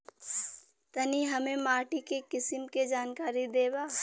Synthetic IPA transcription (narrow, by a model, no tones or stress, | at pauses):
t̪ɐniɦɐmẽmaːʈikekɪsɪmked͡ʒaːnkaːɾid̪eːbaː